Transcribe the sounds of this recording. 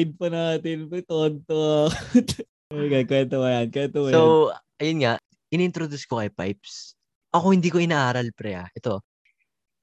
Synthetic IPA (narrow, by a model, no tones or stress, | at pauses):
ɪd̪̚pɐnaːt̪ɪnpɛt̪ont̪ot̪ | ɐɡɐnkwɛnt̪omɐjɐnkwɛnt̪omɐo | ɐjonŋaʔ | ʔɪnɪnt̪ɾod̪uskoʔɐjpa̰jp̚s | ʔɐko̞hɪnd̪iːkoʔɪnaːʔaːɾɐlpɾɛʔa̰ʔɛt̪o̞